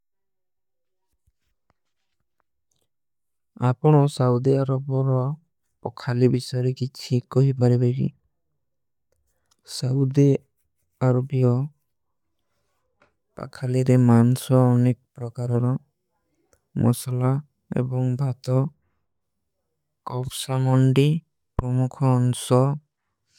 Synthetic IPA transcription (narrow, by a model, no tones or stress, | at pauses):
apɔɽ̃ɔsaud̪iaɾɔbɔɾɔ | pɔkʰalibisɔjɔɾekit͡ʃʰikɔɦibaɾebeɾḭ | saud̪i | aɾɔbijɔ | pa̰kʰaliɾemansɔːnek̚ɔpɾɔkaɾɔɾɔ | mʔɔ̰sala | ḛbɔŋbʱat̪ɔ | kɔpʰsamɔɳɖi | pɾɔmukʰɔːnsɔ